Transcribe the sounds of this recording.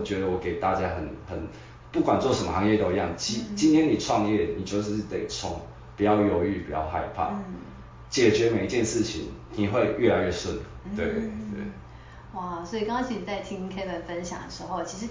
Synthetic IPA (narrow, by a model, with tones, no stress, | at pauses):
t͡ɕɥɛ˧˦d̪ə˧˨wɔ˨˩ke˨˩ɪt̪a˥˨t͡ɕja˦xə˨˩nhə˨˩n | pu˥˩kwa˨˩nt͡swɔ˥˩ʂə˨˦mə˧˩hɑ˧˦ŋjɛ˥˨t̪o˨˩˧jɑ˥˩ŋt͡ɕi˧˥t͡ɕi˦nt̪ʰjɛ˥ni˨˩ʈ͡ʂʰwɑ˥˧ŋjɛ˥˨ni˨˩t͡ɕjo˥˧ʊʂ̬ɻ̩˥˧ʂ̩˥˩t̪e˨˩ɪt͡sʰʊ˨˩ŋ | pu˨˩jɑ˥˩ʊjo˨˩ʊy˥˩pu˨˩jɑ̰˥˧ʊha˥˧ɪpʰa̰˥˨ | t͡ɕjɛ˨˩t͡ɕɥɛ˧˥me˨˩ɪi˧t͡ɕjɛ˥˧nʂɻ̩˥˨t͡ɕʰḭ˨˦ŋni˨˩xwe˥˧ɪɥɛ˥˩la˧ɪɥɛ˥˩swə˥˨n | t̪we˥˩ɪt̪wḛ˥˨˩ɪ | wa˥˩swɔ˧˥i˨˩kɑ˥ŋɑ˥ŋt͡ɕʰi˧˥˨t͡sa˥˩ɪt̪ʰi˦ŋkʰe˥ɪbə˨˩nfə˦nɕjɑ̰˨˩ŋd̪ə˨˩ʂɻ̩˧˦xo˥˩ʊt͡ɕʰi˧˥ʂɻ̩˧˥